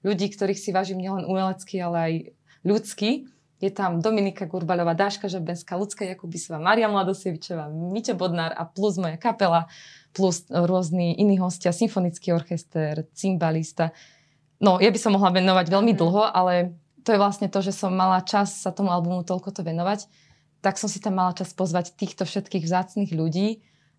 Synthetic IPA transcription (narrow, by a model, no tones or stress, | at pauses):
ʎuɟiːkt̪ɔɾiːxsiʋaʒiːmɲɪɛlɛnʔumɛlɛt͡skialɛaj | ʎut͡ski | jɛt̪amd̪ɔminikaɡuɾbalɔʋaːd̪aʃkaʒɛbɛnskaːlut͡skajakubisɔʋaːmaːɾiamlad̪ɔsɛʋit͡ʃɔʋaːmicɛbɔd̪naːɾa̰pluzmɔjakapɛlaplusɾʊɔzniʔiniːɦɔscɪasiɱfɔnit͡skiːɔɾxɛst̪ɛɾt͡simbalist̪a | nɔjabisɔmːɔɦlaʋɛnɔʋaɟʋɛlmid̪l̩ˠɦɔʔalɛ | t̪ɔjɛʋlasɲɛt̪ɔʒɛsɔmːalat͡ʃassat̪ɔmualbumut̪ɔʎkɔt̪ɔʋɛnɔʋac | t̪aksɔmsit̪amːalat͡ʃaspɔzʋact̪iːxt̪ɔfʃɛt̪kiːɣʋzaːt͡sniːɣʎuɟiː